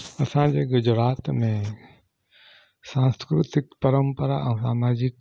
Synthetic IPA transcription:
ɐsãd͡ʑeːɡʊd͡ʑɾaːt̪mẽ | sãːnskɾʊt̪ɪkpɐɾəmpəɾa̰ʔə̃saːmaːd͡ʑɪk

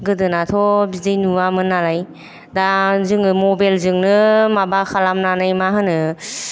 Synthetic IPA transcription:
ɡɯdɯnatʰɔbizejnuamɯnːalaj | dazɯŋɯmɔbalzɯŋnɯmabakʰalamnanajmaɦɯnɯ

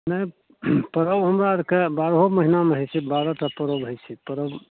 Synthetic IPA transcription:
nəj | pəɾəwɦəmɾaɾkebaɾɦoməɦinameɦəjt͡ʃʰibaɾətapəɾəwɦojt͡ʃʰipəɾəw

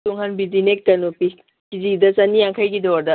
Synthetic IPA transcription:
tuŋɦanbizinek̚tɐnopi | kizidasanijaŋkʰajɡid̪ɔɾd̪a

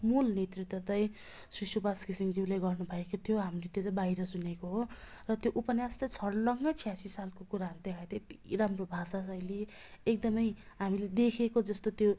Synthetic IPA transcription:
mulnet̪rit̪wʌt̪ʌj | susubaskisiŋd͡ziwlajɡʌrnubʱʌekot̪ʰijoɦamret̪jot̪ʌbajɾʌsunekoɦo | rʌt̪joʔupʌnjast̪ʌt͡sʰʌɽlʌŋɡʌt͡sʰijasisalkokuɾaɦʌɾud̪ekʰat̪ʌiramrobʱasasʌjleek̚d̪ʌmʌjɦamiled̪ekʰekod͡zʌst̪ot̪jo

